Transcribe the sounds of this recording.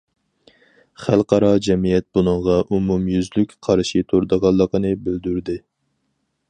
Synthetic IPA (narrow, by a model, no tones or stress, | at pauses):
χælˠqʰɑɾɑd͡ʒɛmijɛt̪̚b̥unɨŋʁɑʔumumjyzlykʲqʰɑɾʃit̪ʰoɾd̪ɑʁɑlˠːəqənɨbyld̪yɾd̪ɪ